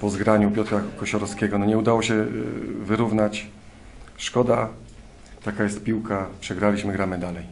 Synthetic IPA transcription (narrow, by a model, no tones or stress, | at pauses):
pɔzɡɾaɲupʲjɔt̪ɾakɔɕɔɾɔskʲɛɡɔnɔɲɛud̪awɔɕɛvɘɾuvnat͡ɕ | ʂkɔd̪a | t̪akajɛst̪pʲiwkapʂɛɡɾalʲiɕmɘɡɾamɘd̪alɛj